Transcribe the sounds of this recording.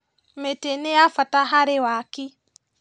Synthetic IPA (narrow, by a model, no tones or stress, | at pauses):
meteneafataɦaɾewaki